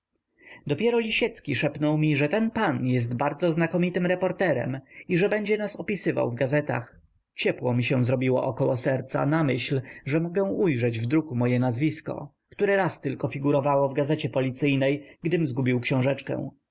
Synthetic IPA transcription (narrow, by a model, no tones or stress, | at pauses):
d̪ɔpʲjɛɾɔlʲiɕɛt̪skʲiʂɛpnɔwmʲiʐɛt̪ɛnpanjɛs̬t̪baɾd̪zɔznakɔmʲit̪ɘmɾɛpɔɾt̪ɛɾɛ̰miʐɛbɛɲd͡ʑɛnasɔpʲisɘva̰wvɡazɛt̪a̰x | t͡ɕɛpwɔmʲiɕɛ̃w̃zɾɔbʲiwɔ̰ʔɔkɔwɔsɛɾt̪sa̰namɘɕlʐɛmɔɡɛ̃ujʐɛd͡ʑvd̪ɾukumɔjɛnazvʲiskɔ̰ | kt̪uɾɛɾast̪ɘlkɔfʲiɡuɾɔvawɔvɡazɛt͡ɕɛpɔlʲit̪sɘjnɛjɡd̪ɘmzɡubʲiwkɕɔ̃w̃ʐɛt͡ʂkɛ̰̃w̃